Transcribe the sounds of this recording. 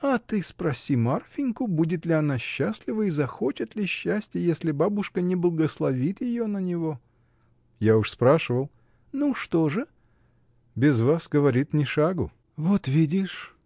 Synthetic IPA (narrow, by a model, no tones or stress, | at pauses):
ɐt̪ɨspɾɐsʲimarfʲɪnʲkʊbudʲɪt̪lʲɪɐnaɕːasʲlʲɪvəizɐxo̞t͡ɕɪt̪lʲɪɕːæsʲtʲjəjesʲlʲɪbabʊʂkənʲɪblˠəɡəslˠɐvʲit̪jɪjo̞nənʲɪvo̞ | jaʊʂspɾaʂɨvəlˠ | nuʂt̪o̞ʐɨ | bʲɪzvasɡəvɐɾʲit̪nʲɪʂaɡʊ̰ | vo̞t̪vʲidʲɪʂ